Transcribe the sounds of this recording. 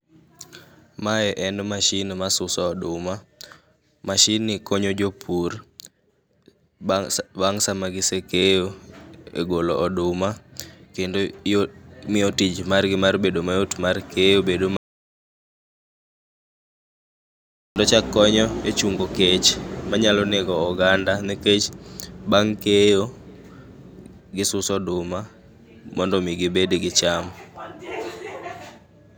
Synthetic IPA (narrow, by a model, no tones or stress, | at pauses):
maɛʔɛndmaʃinmasʊsɔːɗʊma | maʃinːɪkoɲod͡ʒopʰur | baŋsamaɡɪsekejoḛɡolɔʔɔdʊmakendojomɪotid͡ʒmarɡɪmarbedomajotmarkejobedom | ɔndɔt͡ʃakːɔɲɔet͡ʃuŋɡoket͡ʃmaɲalɔneɡɔːɡandaniket͡ʃbaŋkejo | ɡɪsʊsɔdʊma | mɔndɔmiɡɪbedɡɪt͡ʃam